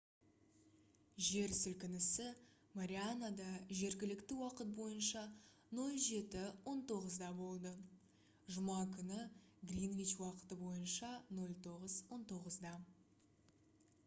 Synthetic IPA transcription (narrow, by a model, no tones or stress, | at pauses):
ʒe̞ɾsʏlkʲɪnɪsɪ | maɾʲianad̪ɑʒe̞ɾɡʲɪlɪkt̪ɪwɑqət̪̚bo̞jənʃɑ | no̞lˠʒe̞t̪ɪwo̞nt̪ʰo̞ʁəzd̪ɑbo̞lˠd̪ə | ʒʊmɑkʲʰʏnɪ | ɡlʲinvʲit͡ʃwɑqə̥t̪əbo̞jənʃɑno̞lˠt̪ʰo̞ʁəzwo̞nt̪ʰo̞ʁəzd̪ɑ